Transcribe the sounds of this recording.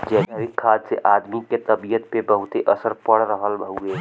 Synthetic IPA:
d͡ʒɛːsaɾɪkʰːaːd̪seʔaːd̪miket̪əbijət̪pebəɦʊt̪eʔəsəɾpəɽɾəɦəlbʱəɦueː

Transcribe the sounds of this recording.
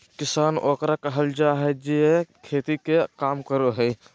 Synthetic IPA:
kɪsaːnoːkɾakəɦəld͡ʒaɦɛd͡ʒeekʰeːt̪ikekaːmkəɾoɦɛj

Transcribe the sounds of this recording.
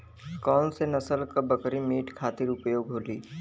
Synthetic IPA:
kɔːnsenɐsəlkabɐkɾimeːʈkʰaːt̪ɪɾʊpjoːɡɦoːliː

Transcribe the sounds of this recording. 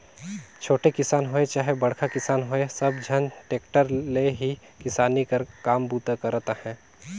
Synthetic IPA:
t͡ʃʰoːʈekɪsaːnɦoːet͡ʃaːɦebɐɽ̤kʰakɪsaːnɦoesɐbd͡ʒʱɐnʈeːkʈəɾleɦi | kɪsaːnikɐɾkaːmbuːt̪akɐɾt̪ahɛ̃ː

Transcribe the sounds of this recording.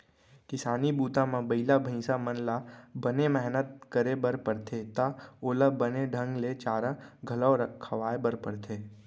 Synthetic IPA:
kɪsaːnibuːt̪ãmãbəɪlabʱĩːsamənlabənemɛɦnət̪̚kəɾebəɾpəɽt̪ʰet̪aoːlabəneɖʱə̃ŋɡlet͡ʃaːɾaɡʱələoɾəkʰːəʋaːebəɾpəɽt̪ʰeː

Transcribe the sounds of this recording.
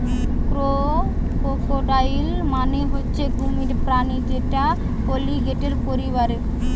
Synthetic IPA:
kɾo | okoʈajilmaneɦotːɕʰeɡʱumiɾpɾanid͡ʒeʈa | koliɡeʈeɾpoɾiβaɾeɾ

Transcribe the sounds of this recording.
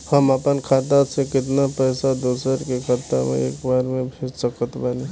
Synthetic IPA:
həməpənkʰaːt̪̬asekɪt̪̬napɛːsad̪oːsəɾkekʰat̪a̰mḛ̃ḛːkbaːɾmẽbʱeːd͡ʒsəkət̪baːli

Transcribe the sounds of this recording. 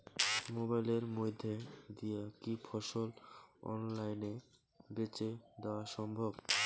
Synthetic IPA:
mobajleɾmojd̪ʱːed̪ijakifʰɔʃolɔ̰nlajne | bet͡ɕed̪eoaʃɔmbʱob

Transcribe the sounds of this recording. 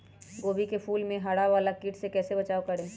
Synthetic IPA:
ɡoːbikepʰuːlmẽɦɐɽaʋaːlakiːʈʰsekɛːsebɐt͡ʃaːokɐɾẽː

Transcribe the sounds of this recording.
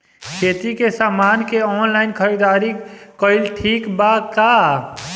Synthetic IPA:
kʰeːt̪ikesaːmaːnkeɔːnlaːɪnkʰəɾid̪aːɾikɔɪlʈʰiːkbakaː

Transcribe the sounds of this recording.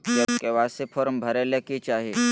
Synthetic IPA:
d͡ʒɐskeʋaːsepʰɔːɾmbʱɐɾeleket͡ʃaːɦie

